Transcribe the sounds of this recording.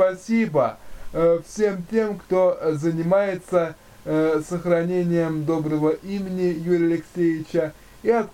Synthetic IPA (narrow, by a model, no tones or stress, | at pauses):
pɐsʲibə | fsʲe̞mtʲe̞mkt̪o̞zənʲɪmajɪt̪sə | səxrɐnʲenʲɪjəmd̪o̞bɾəvəʔimʲɪnʲɪjuɾʲɪɐlʲɪksʲevʲɪt͡ɕə | iɐt̪̚